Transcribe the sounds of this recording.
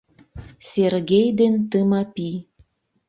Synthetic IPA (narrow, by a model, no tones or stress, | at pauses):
serɣejd̪ent̪əmɑpi